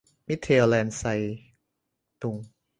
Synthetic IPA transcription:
mi˦˥t̪ʰːe˧lɛː˧nsa˧j | t̪u˧ŋ

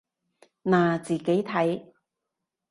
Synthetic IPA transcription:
naː˨˩t͡siː˨ke˨˥jt̪ʰɐ˨˥j

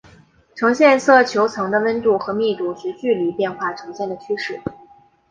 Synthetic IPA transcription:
ʈ͡ʂʰɤ˧˥ŋɕjɛ˥˧nsɤ˥˩t͡ɕʰjo˧˥ʊt͡sʰɤ˧˥ŋd̪ə˧wə˥nt̪u˥˩xɤ˧˥mi˥˧t̪u˥˩ʂɻ̩˧˥t͡ɕy˥˩li˧˥pjɛ˥˧nxwa˥˩ʈ͡ʂʰɤ˧˥ŋɕjɛ˥˩nd̪ə˩t͡ɕʰy˥ʂɻ̩˥˩

